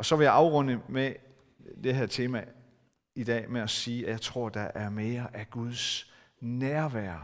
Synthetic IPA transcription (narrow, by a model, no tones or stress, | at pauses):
ʔɒ̽sɒ̽ʋe̝jɑ̈ɪʔɑ̈ʊʁɔ̽n̰əme | d̥eɦæɐ̰t͡sʰe̝ːmæ | id̥ɛ̰ːmeæsiːæjɑ̈ɪt͡sʰʁo̝ɐ̰d̥ɑ̈ʔæɐme̝ːɐʔæɡ̥uð̞ˠs | næɐʋæɐ̰